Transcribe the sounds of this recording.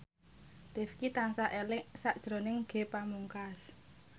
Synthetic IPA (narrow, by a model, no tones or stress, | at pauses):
d̪̥efkit̪ansaʔɛlɪʔsaʔd̥ʒ̥ɾo̤nɪŋɡ̥e̤pamuŋkas